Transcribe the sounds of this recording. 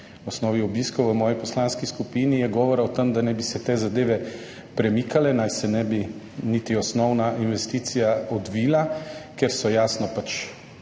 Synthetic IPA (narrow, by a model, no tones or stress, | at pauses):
ɔsnɔːʋiɔbiːskɔwʋəmɔːjɔpɔslaːnskiskupiːnijɛɡɔːʋɔɾawt̪əmd̪anɛbisɛt̪eːzad̪eːʋɛ | pɾɛmiːkalɛnajsɛnɛbi | nit̪iɔsnɔwnaʔinʋɛst̪iːt̪sijaɔd̪ʋiːlakeɾsɔjaːsnɔpat͡ʃ